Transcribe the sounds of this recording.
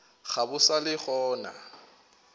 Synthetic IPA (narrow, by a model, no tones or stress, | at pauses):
χabʊsalɪχɔːna̰